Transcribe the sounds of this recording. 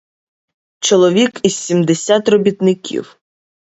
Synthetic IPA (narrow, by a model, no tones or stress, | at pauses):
t͡ʃɔlˠɔʋʲikizsʲimd̪esʲat̪rɔbʲit̪nɪkʲʰḭw